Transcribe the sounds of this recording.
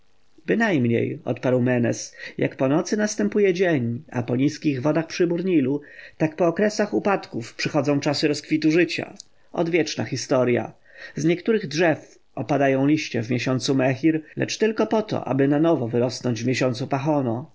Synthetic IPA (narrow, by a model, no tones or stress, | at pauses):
bɘnajmɲḛjɔ̰t̪paɾwmɛnɛ̰sjʔa̰kpɔnɔt̪sɘnast̪ɛmpujɛd͡ʑeɲa̰pɔɲiskʲiɣvɔd̪axpʂɘbuɾɲilut̪akpɔːkɾɛsaxupat̪kufpʂɘxɔd̪zɔ̃w̃t͡ʂasɘɾɔskfʲit̪uʐɘt͡ɕa̰ | ɔ̰d̪vʲjɛt͡ʂna̰xʲist̪ɔɾja̰ | zɲɛkt̪uɾɘɣdʐɛf | ɔpad̪ajɔ̃w̃lʲiɕt͡ɕɛ̰vmʲjɛɕɔnt̪sumɛxʲiɾlɛ̰t͡ʂt̪ɘlkɔpɔt̪ɔ̰ʔa̰bɘnanɔvɔvɘɾɔsnɔɲd͡ʑvmʲeɕɔnt̪supaxɔnɔ